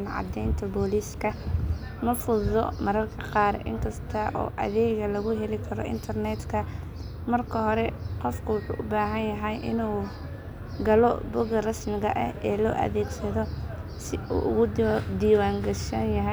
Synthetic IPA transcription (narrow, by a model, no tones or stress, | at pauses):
nʕɑ̰d̪ɛjnt̪ʰɐbɔːliːskʰɐ | mɐfʊðɔmɐɾɐrkʰɐqɑːɾʔɪ̰ŋkʰɐst̪ʰɐʔɔ̰ːʔɐ̰ðɛːɣɐlɐɣʊɦɛlɪkʰɐɾɔ̰ʔɪ̰nt̪ʰɐrnɛt̪kʰɐ | mɐrkʰɐɦɔɾɛqɔfkʰʊwʊħṵːʔʊbaːɦɐnjɐɦɛjʔɪ̰nuː | ɡɐlɔbʊɣɐrɐsmɪɣɐʔɐ̰hɛːlɔ̰ːʔɐ̰ðɛːɡsɐðɔ | sɪṵːʔʊɣʊd̪iːwaːŋɡɐʃɐnjɐɦɛ